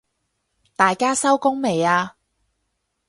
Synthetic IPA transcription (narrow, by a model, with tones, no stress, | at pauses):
t̪aː˨jkaː˥sɐ˥wkʊ˥ŋme˨˩jaː˧